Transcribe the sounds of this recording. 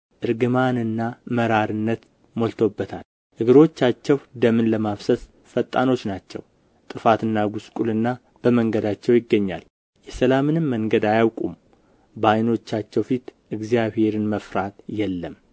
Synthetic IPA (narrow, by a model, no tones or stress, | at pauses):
ʔɨɾɡɨmanɨnːaməɾaɾɨnːət̪ | molt̪ʰo̞bːət̪ʰa̰l | ʔɨɡɨɾo̞t͡ʃːat͡ʃːɛwd̪əmɨnləmafsəs | fət̪ʼːa̰no̞t͡ʃːnat͡ʃːɛ̰w | t̪ʼɨfat̪ɨnːaɡuskʼulɨnːa | b̥əməŋɡəd̪at͡ʃːɛwjɪɡːəɲːa̰l | jɛsəlamɨnɨmːəŋɡəd̪ajawkʼṵm | bajno̞t͡ʃːat͡ʃːɛwfit̪ʔɨɡzijaβhe̞ɾɨnməfɾat̪jɛlːəm